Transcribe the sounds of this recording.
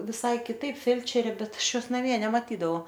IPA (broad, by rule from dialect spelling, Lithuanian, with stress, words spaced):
ʋʲɪˈsɐɪ kʲɪˈtɐɪp ˈfʲɛlʲt͡ʃʲɛrʲeː ˈbʲɛt ˈɐʃ ˈjoːs nɐˈmʲiɛ nʲɛmɐˈtʲiːdɐʋɐʊ